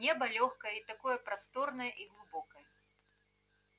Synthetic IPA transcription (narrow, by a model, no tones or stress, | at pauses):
nʲɛbɐlʲɔxkɐjɛit̪akɔjɐpɾast̪ɔrnɐjɐʔiɣlˠubɔkɐjɐ